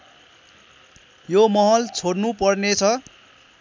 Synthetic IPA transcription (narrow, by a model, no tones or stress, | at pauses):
jomʌɦʌlt͡sʰoɽnupʌrnet͡sʰʌ